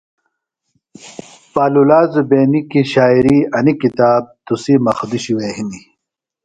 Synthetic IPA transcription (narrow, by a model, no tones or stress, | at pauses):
paːlulaːzubeːnikiɕaːiɾiɐnikit̪aːb̚t̪usimɐxd̪uɕiweːɦini